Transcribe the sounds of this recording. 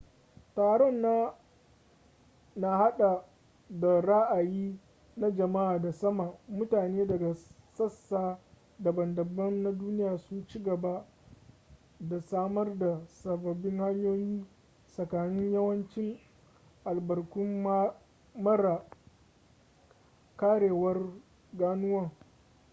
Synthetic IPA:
taː˨ɽɔ˦˨nːaː˦ | na˨ha˦ɗa˨ | da˨ɾa˦ʔa˨jiː˦ | na˦d͡ʒɐ˨ma˦ʔaː˨da˨sɐ˦ma˨mʊ˦taː˨neː˦dɐ˨ɡa˨sɐ˦sːaː˦ | da˨bɐ˨ndɐ˨bɐ˦nːa˦duː˦nɪ˦jaː˨sʊ˦nt͡ʃi˦ɡɐ˨ba˦ | da˨saː˦mɐ˦rda˨sɐ˨bɐ˨bɪ˦ŋha˦ɲjoː˦jiː˦ | sɐ˨kaː˨nɪ˦ɲjɐ˦wɐ˦nt͡ʃɪ˦ŋ | ʔa˨lbɐ˨rkʊ˦m | mɐ˦ɾa˨ | kaː˦ɽeː˨wɐ˦r | ɡaː˦nʊ˦wɐ˦ŋ

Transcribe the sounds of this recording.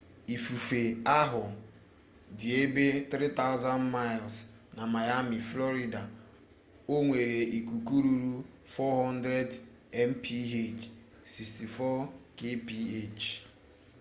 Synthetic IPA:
i˨fu˨fe˨a˦ɦʊ˨ | dɪ˨e˦be˦t̪ɾi˦ta˦ʊ˦za˦nma˦ɪ˨ls | na˨ma˨ja˦mi˨flɔ˦ɾi˨da˨ | o˦ŋʷe˨ɾe˨ʔi˨kʷu˨ku˦ɾu˨ɾu˦ | fɔ˦ɦɔ˦n˦dɾe˦d | ɛ˦m̩˦pʰi˦ɦe˦˨t͡ʃ | si˨ksti˨fɔ˦ke˦pi˦e˦˨t͡ʃ

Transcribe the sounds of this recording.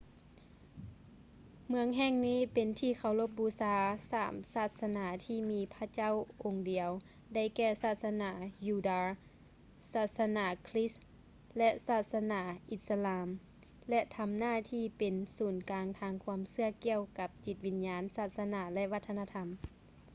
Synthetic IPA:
mɯ˧əŋɦɛː˧˥˨ŋniː˥˩˨pe˨nt̪ʰiː˧˩kʰa˨˩wlo˧˥p̚buː˧saː˧sa̰ː˨˩msaː˧˩t̪̚sa˧naː˨˩˦t̪ʰiː˧miː˧˥pʰa˧˥˨t͡ɕa˥˨wʔo˨˧ŋdi˨əw | da˧˩˨jkɛː˧˩saː˧˩t̪̚sa˧naː˧˩juː˧daː˧ | saː˧˩t̪̚sa˧naː˧˩kʰli˦˥s | lɛ˧˥saː˧˩t̪̚sa˧naː˧˩ʔi˧˥t̪̚sa˧laː˧m | lɛ˧t̪ʰa˧mnaː˧˥˩t̪ʰiː˧˩pe˨nsuː˨˩nkaː˨˧ŋt̪ʰaː˧ŋkʰu˧əmsɯ˧ɐəki˧əwka˧˦p̚t͡ɕi˧t̪̚wi˧˥njaː˧˥nsaː˧˩t̪̚sa˧na˧˩lɛ˧ʔʋa˧t̪ʰːa˧naː˧t̪ʰa˧m

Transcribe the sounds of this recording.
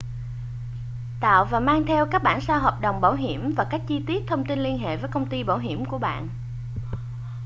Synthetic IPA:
t̪a̰ː˧˨wvaː˨˩maː˧ŋt̪ʰɛ˧wkaː˦˥k̚ɓaː˧˨nsaː˧ɦaː˨˩p̚ɗə˨˩wŋ͡mɓaː˧˩wɦi˧˩əmvaː˨˩ka˦˥jk̟̚t͡ɕi˧t̪i˦˥ət̚t̪ʰə˧wŋ͡mt̪i˧nli˧ənɦḛ˧˨vəː˨˦jkə˧wŋ͡mt̪i˧ɓaː˧˩wɦi˧˩əmku˧˩əɓa̰ː˧˨nʔ

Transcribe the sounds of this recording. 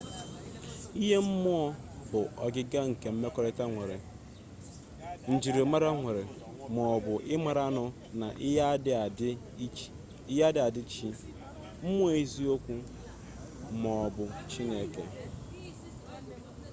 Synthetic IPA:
i˦ɦe˦m̩˦mʊ˦ɔ˦ | bʊ˨ɔ˨ɡɪ˦ɡa˦ŋ̩˨ke˨m̩˦me˦kɔ˦ɾe˦ta˦ŋʷe˨ɾɪ˨ | n̩˨d͡ʒi˨ɾi˨ma˦ɾa˦ŋʷe˨ɾɪ˨ | mɔ˨ɔ˨bʊ˨ʔɪ˦ma˨ɾa˦nʊ˨ | na̰˨ʔ | a˦dɪ˦a˨dɪ˦t͡ʃi˦ | m̩˦mʊ˦e˦i˦zi˦o˦kʷu˦ | mɔ˨bʊ˨t͡ʃi˦ne˦ke˦

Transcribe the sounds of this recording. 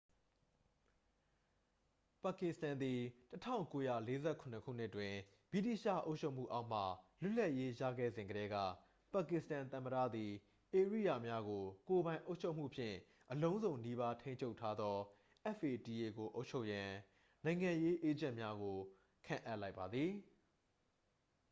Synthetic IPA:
pa˨kɪ˨stã˨nd̪i˨tətʰã̰˦˨ʊ̃ŋko˦jä̰˦˨le˦zɛ˦kʰʊ̃˨nəkʰṵ˦˨n̥ɪ˦ʔtwɪ̃˨ | bi˦˨ti˦˨ʃä̰˦˨ʔo˦ʊt͡ɕʰo˦ʔm̥ṵ˦˨ʔa˦ʊʔm̥a̰˦˨lʊ˦˨l̥a˦˨ʔje˦jä̰˦˨ɡɛ̰˦˨zɪ̃˨ŋɡəɾɛ˦ɡä̰˦˨ | pa˨kɪ˨stã˨nt̪ə̃˨məɾä̰˦˨d̪i˨ | ʔe˨əɹḭ˦˨ja˨mja˦ɡo˨ko˨bã˨ɪ̃ʔo˦ʊʔt͡ɕʰo˦ʊm̥ṵ˦˨pʰjɪ̰̃˦˨ | ʔəlõ˦ʊ̃zõ˨ʊ̃ni˦βa˦tʰẽ˦ɪ̃ɲt͡ɕʰo˦ʊʔtʰa˦d̪ðɔ˦ | ʔɛ˦fe˨ti˨e˨ɡo˨ʔo˦ʊʔt͡ɕʰo˦ʊʔjã˨ | nã˨ɪ̃ŋã˨je˦ʔe˦d͡ʑã˦˨ʔmja˦ɡo˨ | kʰã̰˦˨ʔæ˦ʔla˦ɪpːa˨d̪ði˨

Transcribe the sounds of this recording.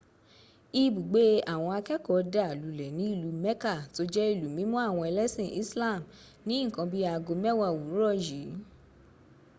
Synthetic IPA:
i˧bu˨ɡ͡be˦a˦˨w̃ɔ̃˧a˧kɛ˦kɔ˨da˨lu˨lɛ˨nĩ˨˦i˦˨lu˨˧˦mɛ˦ka˦˨to˧d͡ʒɛ˦i˦˨lu˨˦mĩ˨˦mũ˦a˦˨w̃ɔ̃˧ɛ˧lɛ˦sĩ˦˨ʔi˦sla˦˨m | nĩ˨˦ĩ˦˨kã˧bi˦a˧ɡo˧mɛ˦wa˦˨wu˨˦ɾɔ˦˨ji˨˦

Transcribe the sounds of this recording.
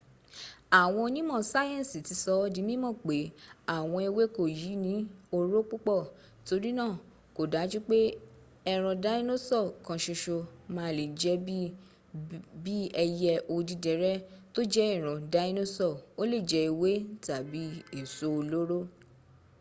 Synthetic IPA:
a˨w̃ɔ̃˧o˧nĩ˦mɔ̃˦˨sa˦jɛ̃˦˨si˨ti˨˧˦sɔ˦di˨˦mĩ˦mɔ̃˦˨k͡pe˨˦a˨w̃ɔ̃˧i˧we˦ko˦˨ji˨˦nĩ˦o˧ɾo˦k͡pu˦k͡pɔ˦˨ | to˧ɾi˦nãː˦˨ | ko˨da˨˦d͡ʒu˦k͡pe˦ | ɛ˧ɾ̃ɔ̃˧da˨˦i˦no˦sɔ˦˨kã˧ʃo˧ʃo˧mã˦le˨d͡ʒɛ˦ | bi˦ɛ˧jɛ˧ʔo˧di˨˧dɛ˨ɾɛ˦to˦d͡ʒɛ˦i˦˨ɾ̃ɔ̃˨da˨˦i˦no˦sɔ˦˨o˦le˦˨d͡ʒɛ˧˦i˧we˦ta˨bi˨˦i˦˨so˦o˧lo˦ɾo˦

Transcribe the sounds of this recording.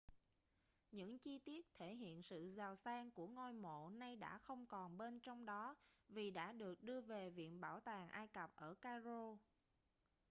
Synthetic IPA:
ɲɨ̰˧˥ŋt͡ɕi˧t̪i˦˥ət̚t̪ʰe˧˩ɦḭ˧˨ənsɨ̰˧˨zaː˨˩wsaː˧ŋku˧˩əŋo˧jmo̰˧˨na˧jɗa̰ː˧˥xə˧wŋ͡mkɔ˨˩nɓe˧nt͡ɕɔ˧wŋ͡mɗɔ˨˦vi˨˩ɗa̰ː˧˥ɗɨ˨˩ək̚ɗɨ˧əve˨˩vḭ˧˨ənɓaː˧˩wt̪aː˨˩ŋʔaː˧jkə˨˩p̚ʔəː˧˩kaː˧zo˧

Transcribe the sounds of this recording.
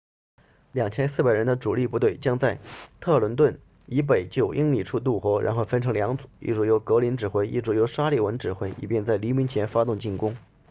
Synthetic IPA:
ljɑ˨˩ŋt͡ɕʰjɛ˥nsɹ̩˥˩pa˨˩ɪɻə˧˥nd̪ə˧ʈ͡ʂu˨˩li˥˧pu˧˥t̪we˥˩ɪt͡ɕjɑ˥ŋt͡sa˥˩ɪt̪ʰɤ˥˩lwə˧˥nt̪wə˥˩n | i˧˥p̬e˨˩ɪt͡ɕjo˥˩ʊʔi˥ŋli˥˨˩ʈ͡ʂʰu˥˧t̪̬u˥˩xwɔ˧˥ɻʔa̰˧˥nxo˥˩ʊfə˥nʈ͡ʂʰɤ˧˥ŋljɑ˧˥ŋt͡su˨˩ḭ˥˩ʈ͡ʂu˧˥jo˧˥ʊkɤ˧˥li˧˥nʈ͡ʂɻ̩˨˩xwe˥˩ɪʔḭ˥˩ʈ͡ʂu˧˥jo˧˥ʊʂa˥li˥˩wə˧˥nʈ͡ʂɻ̩˨˩xwe˥˩ɪḭ˨˩pjɛ˥˧nt͡sa˥˩ɪli˧˥mi˧˥nt͡ɕʰjɛ˧˥nfa˥t̪ʊ˥˧ŋt͡ɕi˥˩kʊ˥ŋ

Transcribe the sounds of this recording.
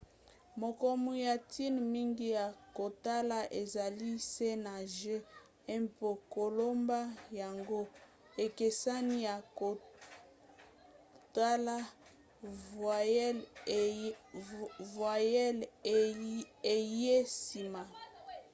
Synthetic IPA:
mo˨ko˦mu˨ja˨tʰi˦nmi˦ŋɡi˦ja˨ko˨ta˦la˦ʔe˨za˨li˦se˦na˨ʒe˦ | ɛ˦mpo˨ko˨lo˦mba˦ja˨ŋɡo˦ | e˨ke˨sa˦ni˦ja˨ko˨ | ta˦la˦˨˦ | vwa˨jɛ˦l | e˨je˦si˨ma˨

